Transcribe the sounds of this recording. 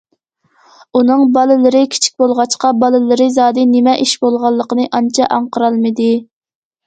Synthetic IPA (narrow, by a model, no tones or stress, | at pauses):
unɨŋbɑlˠɨlˠɨɾɨkʲʰi̥t͡ʃʰi̥k̚ʲbolˠʁɑt͡ʃqɑbɑlˠɨlɨɾɨzɑːd̪ɨnɪmɛʔiʃbolˠʁɑlˠːəqənɨʔɑnt͡ʃʰɑʔɑɴqʰəɾɑlˠmɨd̪ɪ